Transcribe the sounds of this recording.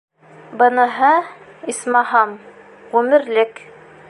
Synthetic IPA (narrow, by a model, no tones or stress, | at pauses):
bɤ̆nɤ̆ɦɤismɑɦɑm | ʁʉmɘ̆ɾlɘk